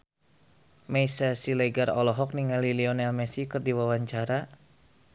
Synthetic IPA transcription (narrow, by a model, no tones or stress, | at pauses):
mɛjsasilɛɡarɔlɔɦɔk̚niŋaliliɔnɛlmɛsikɨrdiwawaɲt͡ʃaɾa